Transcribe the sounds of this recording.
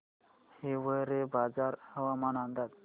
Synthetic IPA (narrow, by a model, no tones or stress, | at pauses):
heʋəjɾebad͡zaɾhəʋamanand̪at̪